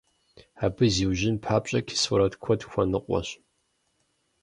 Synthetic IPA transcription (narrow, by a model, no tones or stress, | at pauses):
aːbɨziːwʒɪnpʰħaːpʼɕʼɐkʲʰsʊɾɐtkʷʰɔdxʷɐnɨqʷʼɔ̰ɕ